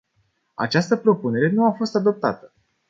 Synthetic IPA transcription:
a̰t͡ʃast̪əpɾo̞pune̞ɾe̞nuafo̞st̪ad̪o̞p̚t̪a̰t̪ə̥

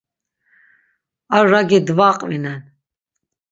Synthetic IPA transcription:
aɾːaɡid̪vaːqʼvinɛn

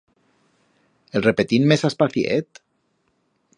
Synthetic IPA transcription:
elrepet̪inmesaspaθjḛt̪

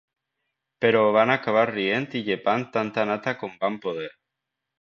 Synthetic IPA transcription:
peɾoβanakaβarient̪iʎepant̪ant̪anat̪akombampoðeɾ

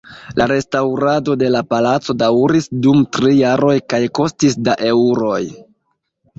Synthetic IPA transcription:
lʔaɾe̞stawɾado̞de̞lapalat͡so̞dawɾisdumtɾijaɾo̞jkajko̞stisdaʔe̞uɾo̞j

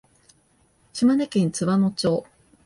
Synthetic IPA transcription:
ɕimanekẽnt͡sɨβanot͡ɕo̞ː

